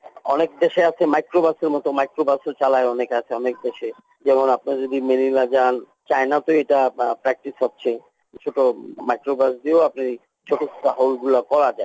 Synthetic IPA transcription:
ɔ̰nekd̪eʃeat͡ɕʰemajkɾobaseɾmɔt̪omajkɾobasot͡ɕalaeɔnekeat͡ɕʰeɔnek̚d̪eʃe | d͡ʑɛmonap̚nad͡ʑod̪imenilad͡ʑan | t͡ɕaenat̪oeʈapɾɛk̚ʈisɦɔtːɕʰe | t͡ɕʰoʈomajkɾobasd̪ieapna | t͡ɕʰoʈost̪aɦolɡulakɔɾad͡ʑae

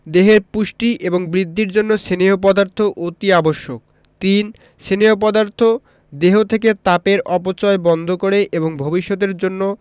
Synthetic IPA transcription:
d̪eɦeɾpuʃʈiʔeboŋbɾid̪ʱːiɾd͡ʑonːoʃeneop̬ɔd̪aɾt̪ʰoʔot̪iaboʃːok̚ | t̪in | ʃeneop̬ɔd̪aɾt̪ʰo | d̪eɦot̪ʰek̬et̪apeɾʔɔpot͡ɕɔebɔnd̪ʱokoɾeʔeboŋbʱobiʃːot̪̬eɾd͡ʑonːo

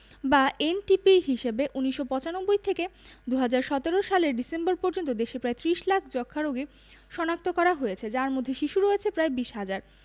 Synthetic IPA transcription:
baʔenʈipiɾɦiʃebeʔuniʃːopɔt͡ɕanobːojt̪ʰeked̪uɦad͡ʑaɾʃɔt̪eɾoʃaleɾɖisemboɾpɔɾd͡ʑont̪od̪eʃepɾaet̪ɾiʃlakʰd͡ʑɔkʰːaɾoɡe | ʃɔnak̚t̪okɔɾaɦojet͡ɕʰed͡ʑaɾmod̪ʱːeʃiʃuɾɔet͡ɕʰepɾaebiʃɦad͡ʑaɾ

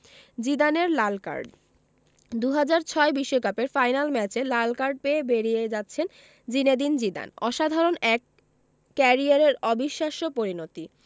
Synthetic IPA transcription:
d͡ʑid̪aneɾlalka̰ɾɖ | d̪uɦad͡ʑaɾt͡ɕʰɔebiʃːokapeɾfajnalmɛt͡ɕelalkaɾɖ̚peebeɾijed͡ʑat̪ːɕʰen | d͡ʑined̪ind͡ʑid̪a̰nɔʃad̪ʱaɾonɛkː | ɛɾiaɾeɾɔbiʃːaʃopoɾinot̪i

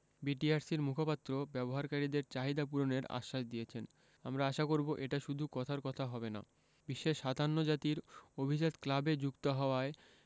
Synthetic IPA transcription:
biʈiaɾsiɾmukʰopat̪ːɾobɛboɦaɾkaɾid̪eɾt͡ɕaɦid̪apuɾoneɾa̰ʃːaʃd̪iet͡ɕʰen | amɾaaʃakoɾboʔeʈaʃud̪ʱukɔt̪ʰaɾkɔt̪ʰaɦɔbena̰ | biʃːeʃad̪ʱanːod͡ʑat̪iɾobʱid͡ʑat̪klabed͡ʑukt̪oɦɔoae

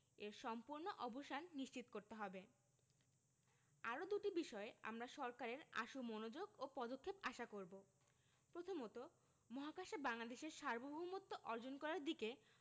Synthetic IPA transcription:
eɾʃɔmpuɾnoʔɔboʃanːiʃt͡ɕit̪okoɾt̪eɦɔbe | aɾod̪uʈibiʃɔea̰mɾaʃɔɾkaɾeɾa̰ʃumonod͡ʑoɡopɔd̪okʰːepaʃakoɾbo | pɾot̪ʰomɔt̪o | mɔɦakaʃebaŋlad̪eʃeɾʃaɾbobʱbumot̪ːoʔɔɾd͡ʑonkɔɾaɾd̪ike

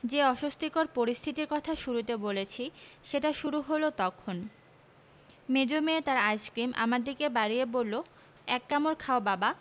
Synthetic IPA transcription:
d͡ʑeɔʃost̪ʰikoɾpoɾist̪ʰit̪iɾkɔt̪ʰaʃuɾut̪ebolet͡ɕʰiʃeʈaʃuɾuɦolot̪ɔkʰon | med͡ʑomeet̪aɾajskɾimʔa̰maɾd̪ikebaɾiebolːo | ɛkːamoɾkʰaobaba

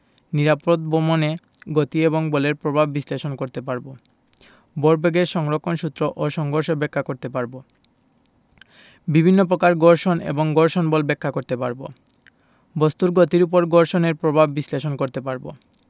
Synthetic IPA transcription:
niɾapot̪̚bomoneɡot̪ieboŋboleɾpɾobʱabːisleʃonkoɾt̪epaɾbo | boɾbeɡeɾʃɔŋɾokʰːonʃut̪ːɾoʔoʃɔŋɡʱoɾʃobɛkʰːakoɾt̪epaɾbo | bibʱinːopɾokaɾɡɔɾʃonḛboŋɡoɾʃonbolbɛkʰːakoɾt̪epaɾbo̰ | bost̪uɾɡot̪iɾup̬oɾɡoɾʃoneɾpɾobʱabbisleʃonkoɾt̪epaɾbo̰

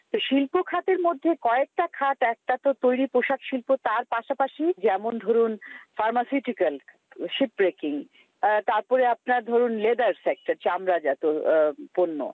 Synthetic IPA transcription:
t̪oʃilpokʰat̪eɾmod̪ʱːekɔek̚ʈakʰaʈɛk̚ʈat̪ot̪ojɾipoʃakʃilpot̪aɾpaʃapaʃid͡ʑɛmond̪ʱoɾunfaɾmasiʈikal | ʃip̚bɾekiŋ | t̪aɾpɔɾeap̚naɾd̪ʱoɾunled̪aɾsek̚ʈaɾt͡ɕamɾad͡ʑat̪oponːo̰

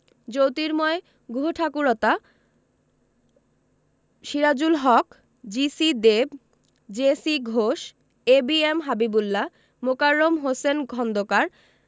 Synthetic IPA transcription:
d͡ʑowt̪iɾmɔe | ɡuɦoʈʰakuɾɔt̪a | ʃiɾad͡ʑulɦɔk | d͡ʑisid̪eb | d͡ʑesiɡʱoʃ | ebiemɦabibulːa | mokaɾːomɦosenɡʱɔnd̪okaɾ

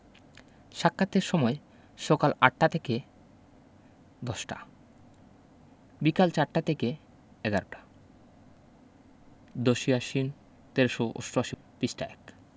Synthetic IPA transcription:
ʃakʰːat̪ːeɾʃɔmɔe | ʃɔkalaʈːat̪ʰeke | d̪ɔʃʈa̰ | bikalt͡ɕaʈʈat̪ʰeke | ɛɡaɾoʈḁ | d̪oʃiaʃin | t̪eɾʃoʔo̰sʈoaʃi | pisʈa̰ek

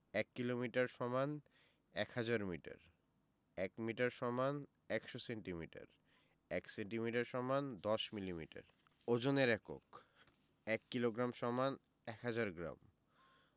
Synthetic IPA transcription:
ɛkːilomiʈaɾʃɔman | ɛkhad͡ʑaɾmiʈa̰ɾ | ɛkmiʈaɾʃɔman | ɛkʃoseɳʈimiʈa̰ɾ | ɛkseɳʈimiʈaɾʃɔmand̪ɔʃmilimiʈa̰ɾ | od͡ʑoneɾɛko̰k | ɛkːiloɡɾamʃɔman | ɛkhad͡ʑaɾɡɾa̰m

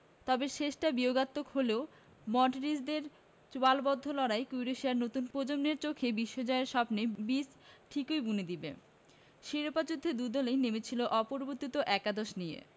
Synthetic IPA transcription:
t̪ɔbeʃeʃʈabioɡat̪ːokholeo | mɔʈiɾisd̪eɾ | t͡ɕualbɔd̪ʱːolɔɾaekujɾeʃiaɾnot̪unpod͡ʑomneɾt͡ɕokʰebiʃːod͡ʑɔeeɾʃɔpnebis | ʈʰikojbuned̪ibḛ | ʃiɾopad͡ʑud̪ʱːed̪ud̪ɔlejnemet͡ɕʰiloʔɔpoɾboɾt̪ːit̪oʔɛkad̪oʃnijḛ

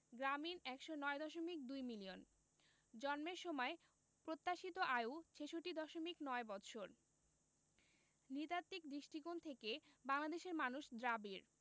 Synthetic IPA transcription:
ɡɾaminɛkʃonɔed̪ɔʃomik̚d̪ujmilion | d͡ʑɔnmeɾʃɔmɔe | pɾot̪ːaʃit̪oʔajout͡ɕʰeʃoʈːid̪ɔʃomiknɔebɔt̪ɕʰoɾ | nit̪at̪ːikd̪ɾiʃʈikont̪ʰekebaŋlad̪eʃeɾmanuʃd̪ɾabiɾ

